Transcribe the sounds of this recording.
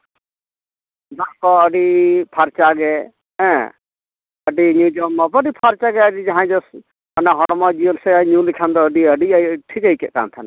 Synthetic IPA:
b̪aʔkɔəɖipʰaɾt͡ʃaɡɛ | ɛ̃ | əɖiɲud͡ʒɔmːɔpːɖipʰaɾt͡ʃaɡɛəɖid͡ʒaɦãd͡ʒɔs | anaɦɔɽ̃ɔmɔd͡ʒiəlsɛɲulikʰand̪ɔːɖiəɖiʈʰikəjkɛʔka̰nt̪ʰan

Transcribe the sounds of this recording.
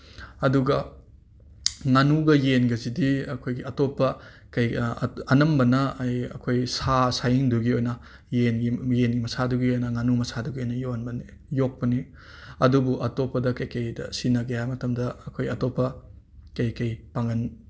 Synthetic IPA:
ɐduɡɐ | ŋanuɡɐjenɡɐzidiɐkʰojɡiɐtopːɐ | kɐjɐnɐmbɐnɐːjɐ̰kʰojsasajiŋduɡiojnɐ | jenɡijenɡimɐsaduɡiojnɐŋanumɐsaduɡiojnɐjoɐnbɐni | jok̚pɐni | ɐdubuʔɐtopːɐdɐkɐjkɐjdɐ̰sinɐɡeamɐtɐmdɐɐkʰojɐtopːɐ | kɐjkɐjpaŋɐn

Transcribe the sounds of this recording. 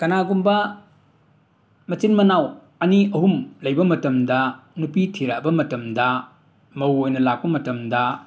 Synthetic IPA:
kɐnaɡumbɐ | mɐt͡ʃinmɐnaw | ɐniɐɦumlɐjbɐmɐtɐmdɐnupitʰiɾabɐmɐtɐmdɐ | mɐwojnɐlak̚pɐmɐtɐmdɐ

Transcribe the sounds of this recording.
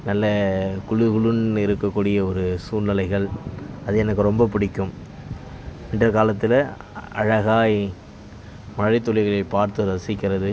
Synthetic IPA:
nɐlːɐkʊɻɯɣɐɭɯnɪɾɯkːɐkːuːɽɪjɐɔɾɯsuːnnɪlɐɪɣɐɭɐðɯɛnɐkːɯɾɔmbɐpɪɽɪkːɯm | ɪndrɐkaːlɐt̪ːɪlɐ | ɐ̰ɻɐɣaːj | mɐɻɐɪt̪ːɔɻɪɣɐɭɐɪpaːɾt̪ɯɾɐsɪkːɪɾɐðɯ

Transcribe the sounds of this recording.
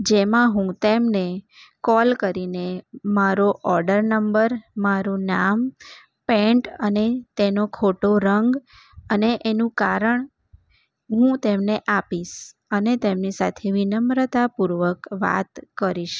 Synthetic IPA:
d͡ʒemãɦũt̪emne | kɔlkəɾinemaɾoʔɔɾɖəɾnəmbəɾmaɾũnam | peɳʈənet̪enokʰoʈoɾəŋɡ | əneʔenũkaɾəɳ | ɦũt̪emneʔapiʃ | ənet̪emnisa̰t̪ʰeʋinəmɾət̪apuɾʋəkʋa̰t̪kəɾiʃ

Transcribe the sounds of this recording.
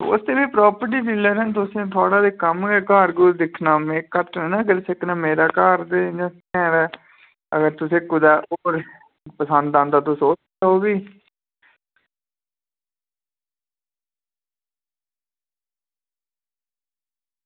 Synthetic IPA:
ʊ̰st̪eːbiːpɾɔːpəɾʈ̬iːsiləːɾənt̪̬ʊsẽːt̪ʰʊaːɽaːd̪eːkəmɡɛːkaːɾɡuːɾd̪ɪkʰnaːmẽːkət̪nɛːnãːkəɾsəknaːmeːɾaːkaːɾd̪ed͡ʒãs | ɛːɾɛː | ə̰ɡəɾt̪ʊsẽːkʊd̪aːʔoːɾ | pəsə̃nd̪ãːnd̪aːt̪õːsoːt͡ʃ | aɦoːbiː

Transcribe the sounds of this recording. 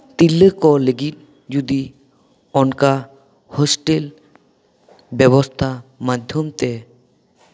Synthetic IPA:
t̪ilːəkɔleɡit̪̚ | d͡ʒud̪i | ɔnka | hɔsʈel | bɛβɔst̪ʰamad̪ʱjomt̪ɛ

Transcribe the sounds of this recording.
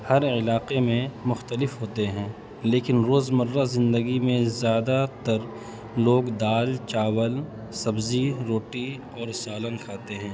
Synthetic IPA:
hɐɾɪlaːqemẽmʊxt̪əlɪfɦoːt̪eɦɛ̃ː | leːkɪnɾoːzmɐɾːazɪ̃nd̪əɡimẽzjaːd̪at̪ɐɾ | loːɡd̪aːlt͡ʃaːwəl | sɐbziɾoːʈi | ɔːɾsaːlənkʰaːt̪eɦɛ̃ː

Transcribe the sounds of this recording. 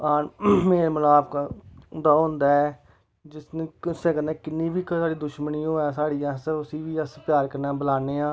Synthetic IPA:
aːnmeːməlaːbkd̪aːɦʊ̃ːnd̪aːɛː | d͡ʒɪsneːkɪsẽːkənẽːkɪnːiːʋiːksaːɽiːd̪ʊʃməniːoːãːsaːɽiːãːsəəsĩːʋiːəspjaːɾkəɾnãːbəlaːneːãː

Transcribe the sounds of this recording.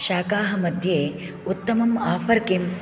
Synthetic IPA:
ʃaːkaːɦɐmɐd̪ʱjeː | ut̪ːɐmɐmaːpʰɐɾkim

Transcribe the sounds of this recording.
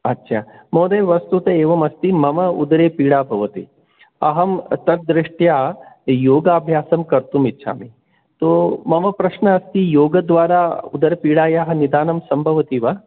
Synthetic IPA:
ɐtːʃʰaːmoːd̪eːʋɐst̪ut̪ɐeːʋɐmɐst̪imɐmɐṵd̪ɐɾeːpiːɽaːbʱɐʋɐt̪ḭ | ɐɦɐmt̪ɐt̪̚d̪ɾɪʂʈjaːjoːɡaːbʱjaːsɐmkɐɾt̪umitːʃʰa̰ːmi | t̪oːmɐmɐpɾɐʃɳɐːst̪ijoːɡɐd̪ʋaːɾaːṵd̪ɐɾɐpiːɽaːjaːɦɐ̆nid̪aːnɐmsɐmbʱɐʋɐt̪iːʋa

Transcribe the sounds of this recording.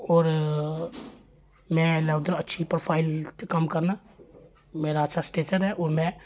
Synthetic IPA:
ɔːɾ | mɛ̃lɛʊd̪əɾətːʃʰipɾoːpʰaːɪlt̪ekəmkəɾna | meːɾaːtːʃʰasʈeːt͡ʃəɾɦɛʔɔːɾmɛ̃

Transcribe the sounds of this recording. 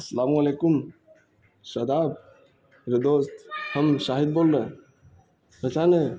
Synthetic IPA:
sɐlamuɐlekum | sɐd̪ab̚ | ɾed̪ost̪həmʃaɦid̪̚bolːe | ətʰane

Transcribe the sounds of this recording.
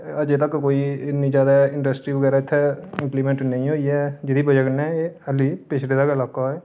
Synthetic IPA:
əd͡ʒet̪əkkoːiɪnĩd͡ʒjaːd̪aɪ̃ɳɖəsʈɾiːbəɡɛːɾaɪt̪ʰːɛɪ̃mpliːmẽːɳʈnəĩɦoiɛd͡ʒɪd̪iːbəd͡ʒəɡnɛ̃eəliːpɪt͡ʃʰleːd̪aːkɪlaːkaɛː

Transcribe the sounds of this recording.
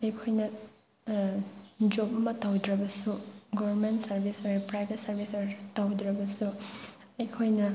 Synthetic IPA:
ɐjkʰojnɐ | d͡ʒop̚ɐmɐtɐwd̪ɾɐbɐsuɡobɐɾmentsɐɾbʱisoɐpɾajbʱetsɐɾbʱisɐjtɐwdɾɐbɐsu | ɐjkʰojnɐ

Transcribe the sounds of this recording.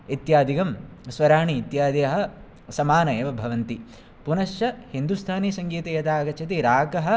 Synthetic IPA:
it̪jaːd̪ʱikɐmsʋɐɾaːɳiːt̪jaːd̪ɐɐɦɐ̆ | sɐmaːnɐjeːʋɐbʱɐʋɐnt̪i | punɐʃjɐhind̪ust̪ʰaːnisɐŋɡiːt̪ɐjɐt̪aːɡɐt͡ʃʰɐt̪iɾaːkɐɦɐ̆

